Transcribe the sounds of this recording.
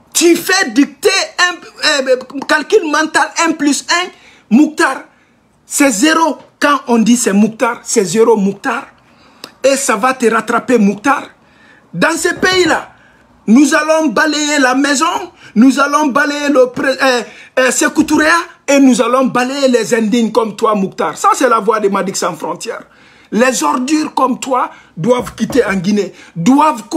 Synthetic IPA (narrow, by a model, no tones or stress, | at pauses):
t̪yfɛd̪ik̚t̪eɛ̃ | kalkylmãt̪alɛ̃plysɛ̃ | muk̚t̪aɾ | sɛzeɾokãʔɔ̃d̪isɛmuk̚t̪aɾsɛzeɾomuk̚t̪aɾ | esavat̪əɾat̪ɾapemuk̚t̪aɾ | d̪ãsepeila | nuzalɔ̃balejelamɛzɔ̃nuzalɔ̃balejeləpɾe | sekut̪uʁeaenuzalɔ̃balejelɛzɛ̃d̪iɲkɔmt̪wamuk̚t̪aʁsasɛlavwad̪emad̪iksɑ̃fɾɔ̃t̪jɛʁ | lɛzɔʁd̪yʁkɔmt̪wa | d̪wavkʲit̪eɑ̃ɡined̪wavk